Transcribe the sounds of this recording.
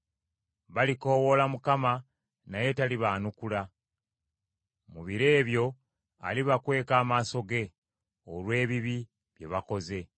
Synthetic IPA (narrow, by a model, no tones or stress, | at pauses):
βaliko̞ːwo̞lamukama | naje̞taliβaːnukula | muβiɾe̞ːβjo̞ | a̰liβakwe̞ːkaːmaːso̞ɡe̞ | olwe̞ːβiβi | βje̞̰βako̞ze̞